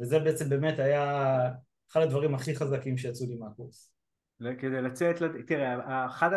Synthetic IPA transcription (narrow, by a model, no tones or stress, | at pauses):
vezebeet͡se̞mbe̞metaja | χadad̪vaʁimaχiχazakimʃejat͡sulimeakuʁs | lekedejlat͡set̪lat̪iʁeaaχada